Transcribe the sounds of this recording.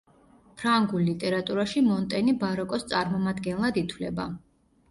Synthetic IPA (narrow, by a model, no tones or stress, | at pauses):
pʰɾaŋɡulːit̪ʼɛɾat̪ʼuɾaʃimɔnt̪ʼɛnibaɾɔkʼɔst̪sʼaɾmɔmad̪ɡɛnlˠad̪it̪ʰwlɛba